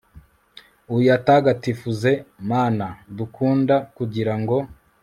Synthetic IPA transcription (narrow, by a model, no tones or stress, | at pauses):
ujataːɡatifuze̞maːnadukʰuːndakuɟiɾaŋɡo̞